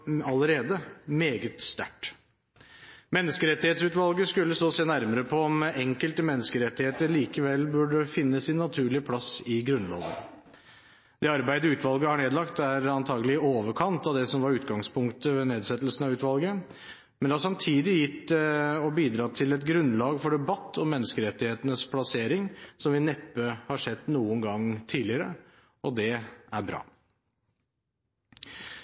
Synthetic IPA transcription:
ɑləɾeːd̪əmeːɡət̪st̪æ̰ʈ | mɛnːəskəɾɛt̪ːɪheːt̪sʉːt̪ʋɑlɡəskʉlːəst̪oːseːnæɾməɾəpʰɔɔmɛŋkəlt̪əmɛnːəskəɾɛt̪ːɪheːt̪əɾɭiːkəʋɛlːbʉɖəfɪnːəsɪnːɑt̪ʰʉːɭɪəpʰlɑsɪɡɾʉnlo̰ːʋə̰n | d̪̥ɛɑɾbæɪd̪əʉːt̪ʋɑlˠɡəhɑɳeːd̪lɑkt̪æɾɑnt̪ʰɑːɡəlɪoːʋəɾkʰɑnt̪ɑʋd̪ɛsɔmʋɑɾʉːt̪ɡɑŋspʰʊŋkt̪əʋeːneːd̪sɛt̪ːlsn̩ɑʋʉːt̪ʋɑlˠɡə | mɛnd̪ɛhɑʂɑmt̪ʰiːd̪ɪjɪt̪ːɛɔbiːd̪ɾɑːt̪ʰɪlɛt̪ɡɾʉnːlɑːɡfɔɖɛbɑt̪ʰːɔmːɛnːəskəɾɛt̪ːɪheːt̪ənəspʰlɑseːɾɪŋsɔmʋɪnɛpːəhɑʂɛt̪ːnuːənɡɑŋt̪ʰiːlɪəɾə | ɔd̪ɛæɾbɾɑ̰ː

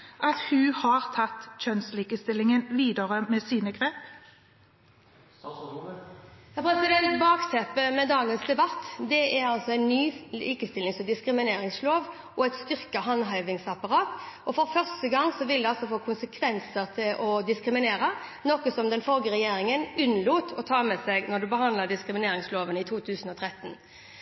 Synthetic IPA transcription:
ʔɑt̪hʉːhɑʁt̪ʰɑt̪ːçœnsliːkəst̪ɪlːɪŋənʋiːd̪əʁəmɛːsiːnəɡʁeːp | hæpʰʁɛsɪd̪ɛnt̪bɑːksɛpːəmɛd̪ɑːɡənsd̪ɛbɑt̪ːd̪ɛʔæʁɑlsɔæɪnyːlḭːkəst̪ɪlɪŋsɔd̪ɪskɾɪmɪneːɾɪŋsloːʋ | ʔɔɛt̪st̪ʏʁkəɦɑnɦɑʏʋɪŋsɑpɑʁɑːt̪ɔfɔʁfœʁstəɡɑŋsɔʋɪld̪ɛɑlsɔfoːkʰʊnsəkʰʋɛnsəʁt̪ʰɪlʔɔd̪ɪskɾɪmɪneːɾənɔkəsɔmd̪ɛnfɔlɡəɾɛjeːɾɪŋənʉnluːt̪ʰɔt̪ʰɑːmɛsɛɡnɔd̪ʉbəhɑnd̪ləd̪ɪskɾɪmɪneːɾɪŋsloːʋənəɪt̪ʰuːt̪ʰʉːsənɔt̪ʰɾɛt̪ːn

